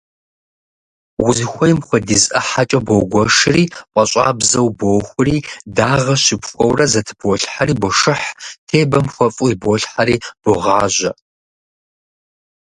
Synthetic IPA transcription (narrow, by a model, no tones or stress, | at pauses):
wʊzɨxʷɔjɪmxʷɔdizʔɐħat͡ʃʼɐboɡʷɔʂɨriːqʷʼɐɕʼa̰ːbzɐwboːxʷʊriːdaːʁɐɕɪpxʷɔwrɐzɐtʰɨ̥bɔɬħaɾiːbɔʂɨħtʰeːbɐmxʷɔfʼuiboɬħaɾiːb̥ʊʁaːʒʷɐ